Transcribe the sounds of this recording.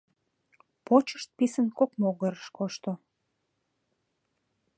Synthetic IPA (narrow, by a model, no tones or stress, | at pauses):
pot͡ɕə̥ʃt̪̚pisənkokmoɣəɾəʃkoʃt̪o